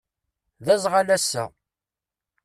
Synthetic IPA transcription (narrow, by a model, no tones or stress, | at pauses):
ðæzˤʁalæsːæ̰